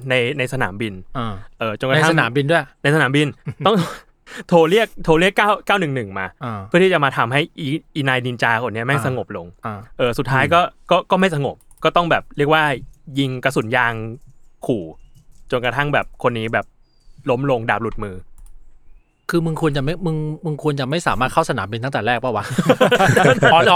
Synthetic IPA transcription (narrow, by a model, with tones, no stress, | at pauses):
na˧jna˧jsa˧na̰ː˩˦mbi˧na˧ʔɤː˨˩t͡ɕo˧nka˧a˥˧naː˩˦mbi˧ndu˥˩əjna˧jsa˧naː˩˦mbi˧nt̪ɔ˥˩ŋ˥˩ | t̪ʰoː˧li˥˩ək̚t̪ʰoː˧li˥˩əkːaː˥˩wkaː˥˩wnɯ˨˩ŋnɯ˨˩ŋmaː˧ɯ˥˩t̪i˥˩a˨˩ma˧t̪ʰa˧mɦa˥˩jʔi˧ʔi˧naː˧jni˧nt͡ɕaː˧kʰo˧nːi˦˥ɐma˥˩jsa˧ŋo˨˩p̚lo˧ŋ˧ʔɤː˨˩su˨˩t̪ʰːaː˦˥jkɔː˥˩kɔː˥˩kɔː˥˩ma˥˩jsa˧ŋo˨˩p̚kɔː˥˩t̪ɔ˥˩ŋbɛː˨˩p̚ɾi˥˩ək̚waː˥˩ji˧ŋka˧s̬u˨˩˦njaː˧ŋkʰuː˨˩t͡ɕo˧nkɾa˧t̪ʰa˥˩ŋbɛː˨˩p̚kʰo˧nːiː˦˥bɛː˨˩p̚ | lo˦˥mlo˧ŋdaː˨˩p̚lu˨˩t̪̚mɯː˧ | kʰɯː˧mɯ˧ŋkʰu˧ənt͡ɕa˨˩ma˥˩jmɯ˧ŋmɯ˧ŋkʰu˧ənt͡ɕa˨˩ma˥˩jsaː˩˦maː˥˩t̪̚ʰwsa˧naː˩˦mbi˧nt̪a˥ŋt̪ːɾɛː˥˩k̚pʰɔː˥˩wa˦˥